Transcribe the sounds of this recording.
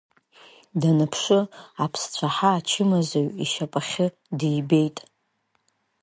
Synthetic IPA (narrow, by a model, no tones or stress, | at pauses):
danɨpʰʂɨapʰst͡ɕʷʰaħaːt͡ʃʰɪmazaɥiʃapʼaχʲɪ | dijbe̞jtʼ